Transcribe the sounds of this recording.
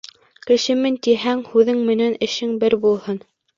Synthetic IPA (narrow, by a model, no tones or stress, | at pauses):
kɘ̆ʃɘ̆mɘnt̪iɦæŋhʉðɘŋmɘ̆nænɘ̆ʃɘŋbɘɾbulˠhɤn